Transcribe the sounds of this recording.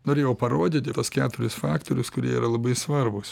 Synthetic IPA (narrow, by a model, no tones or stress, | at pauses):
noːɾʲeːjɛʊpɐɾoːd̪ʲiːt̪ʲɪt̪oɔskʲæːt̪ʊɾʲʊsfɑːkt̪oːɾʲʊskʊɾʲiɛiːɾɐlˠɐbɐɪsʋɐrbʊs